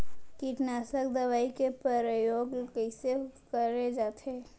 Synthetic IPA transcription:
kiʈnaːsəkd̪əʋaːikepəɾəjoːɡkəɪsekəɾed͡ʒaːt̪ʰeː

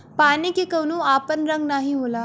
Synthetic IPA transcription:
panikikəɽ̃ũːapənɾəŋɡnaɦiɦola

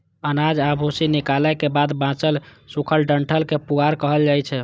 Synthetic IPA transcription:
ənad͡ʒabʱosinikaləjkebad̪bãt͡ʃəlsukʰəlɖəɳʈʰəlkepuɡaɾkəɦəld͡ʒajt͡ʃʰɛ

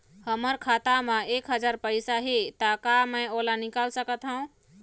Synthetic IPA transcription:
həməɾkʰat̪amẽekɦəd͡ʒaɾpəjsaɦet̪akaməjolanikalsəkət̪ɦəũ

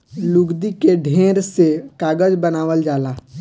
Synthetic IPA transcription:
lʊɡd̪ikeɖʱẽːɾsekaːɡəd͡ʒbənaːʋəld͡ʒaːlaː

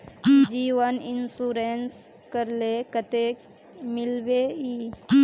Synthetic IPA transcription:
d͡ʒiːʋəninsuɾens | kəɾlekət̪ek | mɪlbei

